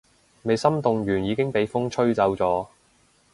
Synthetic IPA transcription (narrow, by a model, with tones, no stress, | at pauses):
me˨˧jsɐ˥mt̪ʊ˨ŋjyː˨˩njiː˨˧kɪ˥ŋpe˨˧jfʊ˥ŋt͡ʃʰɵ˥ɥt͡sɐ˨˧˥wt͡sɔː˨˧